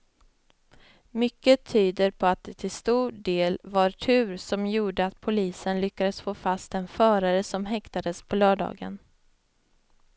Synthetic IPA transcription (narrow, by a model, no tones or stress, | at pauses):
mʏkːət̪ʰyːd̪əɾpʰɔat̪̚d̪ɛt̪ʰɪlst̪uːɖeːlvaɾʈʰʉ̟ːɾsɔmjuːɖəat̪pʰʊliːsənlʏkːad̪əsfoːfast̪ɛnfœːɾaɾəsɔmɦɛkt̪ad̪əspʰɔlœːɖɑ̰ːɡə̰n